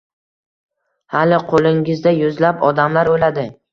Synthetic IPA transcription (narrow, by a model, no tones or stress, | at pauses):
halɪqʰolɪŋɪzd̪ajʊzlapɒd̪amlaɾojlad̪ɪ